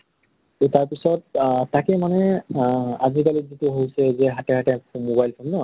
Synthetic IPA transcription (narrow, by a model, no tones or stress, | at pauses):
totaɹpisɔt̚ːakɛmanɛ | azikalizitʊɦojsɛzɛɦatɛɦatɛmobajlpʰonːɔɦɔ